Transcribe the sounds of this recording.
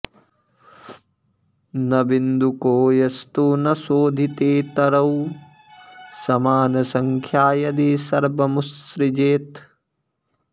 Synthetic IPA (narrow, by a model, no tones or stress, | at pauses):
nɐbind̪ukoːjɐst̪uːnɐsoːd̪ʱit̪eːt̪ɐɾɐw | sɐmaːnɐsɐŋkʰjaːjɐd̪eːsɐɾbɐmusɾid͡ʒeːt̪